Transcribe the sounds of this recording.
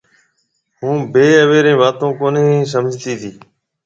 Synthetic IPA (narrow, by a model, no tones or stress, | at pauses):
ɦũːbeːəʋeːɾẽːʋaːt̪õːkoːneːsəmd͡ʒt̪iːt̪ʰiː